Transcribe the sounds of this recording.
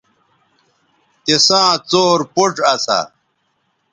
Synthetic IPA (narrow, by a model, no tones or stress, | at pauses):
t̪isãːt͡soːɾpuʈ͡ʂɐsa̰